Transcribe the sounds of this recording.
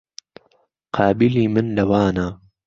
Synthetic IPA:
qʰɑːbɪliːmɨnlɐwaːnaː

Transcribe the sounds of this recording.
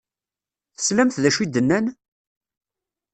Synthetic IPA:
θə̥slæmθðæʃwid̪ənːæn

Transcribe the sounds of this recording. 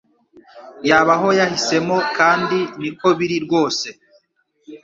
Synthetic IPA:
jaːβaɦo̞jahise̞mo̞kaːndiniko̞βiɾiɾɡwo̞ːse̞

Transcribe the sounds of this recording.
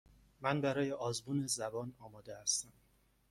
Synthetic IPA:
mænbæɾɒːje̞ʔɒːzbuːnezæbɒːnɒːmɒːd̪ehæst̪æm

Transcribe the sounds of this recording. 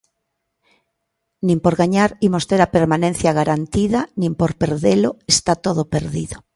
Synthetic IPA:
nĩmpoɾɣaɲaɾimost̪eɾapeɾmanẽnθjaɣaɾant̪iðanĩmpoɾpeɾðeloest̪at̪oðopeɾðiðo

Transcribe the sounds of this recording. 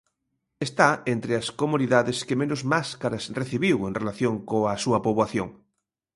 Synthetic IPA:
est̪aent̪ɾeaskomuniðaðeskemẽnozmaskaɾasreθiβiweŋnrelaθjõŋkoasuɐpoβwaθjoŋ

